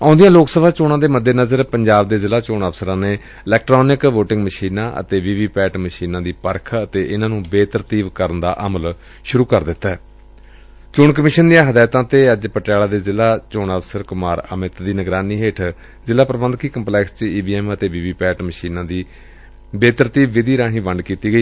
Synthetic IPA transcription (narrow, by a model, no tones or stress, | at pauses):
ãːʊ̃ːnd̪ijãːloːksəbaːt͡ʃoːɳãːd̪eːməd̪ːeːnəzəɾpəɲd͡ʒaːbd̪eːzɪlaːt͡ʃoːɳəʋsəɾãːneː | ɪlɛːk̚ʈɾoːnɪkʋoːʈɪ̃ŋɡməʃiːnãːʔə̰t̪eːʋiːʋiːpɛːʈməʃiːnãːd̪iːpəɾkʰət̪eːʔɪnãːnũːbeːt̪əɾt̪iːbkəɾənd̪a̰ːʔəməl | ʃʊɾuːkəɾd̪ɪt̪ːaɛː | t͡ʃʊɳkəmɪʃənd̪ɪjãːɦəd̪aːt̪ãːt̪eːəd͡ʒpəʈjaːlaːd̪eːzɪlaːt͡ʃoːɳəʋsəɾkʊmaːɾəmɪt̪d̪iːnəɡɾaːniːɦeːʈʰ | zɪlaːpɾəbənd̪kiːkəmplɛːkst͡ʃiːbiːɛːmət̪eːʋiːʋiːpɛːʈməʃiːnãːd̪iː | beːt̪əɾt̪iːbːɪd̪iːɾãːɦĩːʋəɳɖkiːt̪iːɡəiː